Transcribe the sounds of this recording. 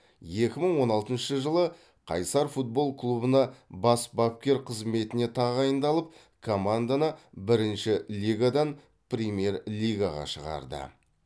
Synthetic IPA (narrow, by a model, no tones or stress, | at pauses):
je̞kʲɪməɴwo̞nɑlˠt̪ənʃəʒəlˠə | qʰɑ̰jsɑɾfut̪̚bo̞lˠkʰlˠubənɑbɑsbap̚kʲe̞ɾqʰəzme̞t̪ɪne̞t̪ʰɑʁɑjənd̪ɑlˠəp̚ | kʰo̞mand̪anəbɪɾɪnʃɪlʲiɡad̪ɑn | prʲemje̞rlʲijɡaʁɑ̰ʃəʁɑ̰ɾd̪ə̰